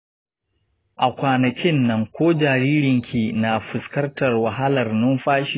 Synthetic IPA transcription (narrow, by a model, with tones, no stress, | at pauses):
ʔa˨kʷaː˨nɐ˨kʲɪ˦nːɐ˦ŋkʷoː˦d͡ʒaː˨ɾiː˦ɾɪ˨ŋkʲʰiː˨na˨ɸɪ˨skɐ˦rtɐ˨rwa˨ɦa˦lɐ˨rnʊ˦mɸaː˦ʃi˦